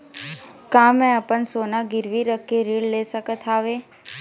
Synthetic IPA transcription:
kãːmɛ̃əpənsoːnaɡɪɾʋiɾəkʰːeɾiːɽleːsəkət̪ʰaːʋeː

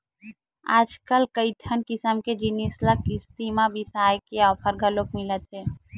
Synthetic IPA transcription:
a̰ːd͡ʒkəlkəɪʈʰənkɪsəmked͡ʒinisləkist̪imãbisaːjkeɔːpʰəɾɡʱəlok̚mɪlət̪ɦɛː

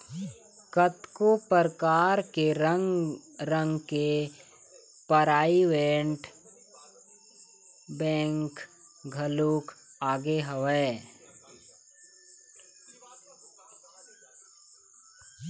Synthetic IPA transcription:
kət̪kopəɾkaːɾkeɾŋɡɾə̃ŋɡke | pəɾaːiweːɳʈ | bɛ̃ːŋkɡʱəluːkaːɡeɦəʋɛ

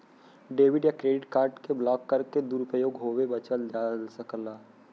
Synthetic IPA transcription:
ɖeːʋɪɖjakɾeːɖɪʈkaːɾɖkeblɔːkːɐɾked̪uːɾʊpəjoːɡɦoːwebɐt͡ʃəld͡ʒaːlsəklaː

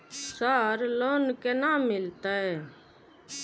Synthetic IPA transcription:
saɾloːnkenaːmːɪlt̪aɦɛː

